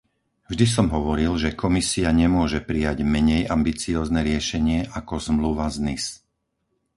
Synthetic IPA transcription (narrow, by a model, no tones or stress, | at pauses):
vʒd̪is̬ɔmɦɔʋɔɾilʒɛkʰɔmisiaɲɛmʊɔʒɛpɾijaɟmɛɲɛjambit͡siɔːznɛɾɪɛʃɛɲɪɛʔakɔzmluʋaznis